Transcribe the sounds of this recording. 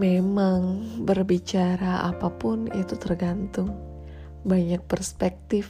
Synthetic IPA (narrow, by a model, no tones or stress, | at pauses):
memaŋbərbit͡ʃaɾaa̰papʊnit̪ut̪ərɡant̪ʊŋ | baɲak̚pərspɛk̚t̪ɪf